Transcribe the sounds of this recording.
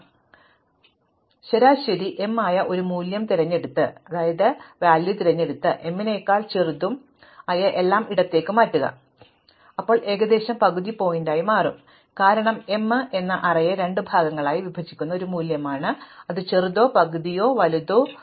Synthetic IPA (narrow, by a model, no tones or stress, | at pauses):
ɕeɾaːɕɐɾiʔe̞mːaːjɐʔo̞ɾumuːljɐmt̪iɾɐɲːe̞ɽut̪ːɨɐðaːjɐðɨʋaːljut̪iɾɐɲːe̞ɽut̪ːɨʔe̞mːine̞ːkːaːlt͡ɕerud̪ːum | ɐjɐʔe̞lːaːmiɽɐt̪ːe̞ːkːɨmaːtːuɣɐ̰ | ɐpːo̞ːɭʔe̞ːɡɐd̪e̞ːɕɐmpɐɣuðipo̞ːjindaːjimaːrum | kaːɾɐɳɐme̞mːɨʔe̞nːɐʔɐrɐjɐɾe̞ɳɖɨbʱaːɡɐŋːɐɭaːjiʋibʱɐt͡ɕʰːikʲːunːɐoɾumuːljɐmaːɳɨɐðɨt͡ɕerud̪o̞ːpɐɣuðijo̞ːʋɐluðoː